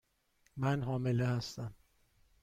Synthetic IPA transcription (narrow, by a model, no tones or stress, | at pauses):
mænɦɒːme̞lehæst̪æm